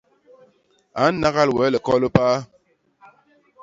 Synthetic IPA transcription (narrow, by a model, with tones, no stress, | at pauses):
a˨˦n̩˦na˦ɣa˦lwɛ˨˦lə˨kɔ˦lə˦paː˦